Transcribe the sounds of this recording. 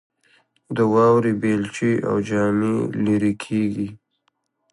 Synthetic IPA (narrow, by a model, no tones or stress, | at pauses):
d̪əwɑwɾibelt͡ʃia̰wd͡ʒɑmiliɾikʰeɡi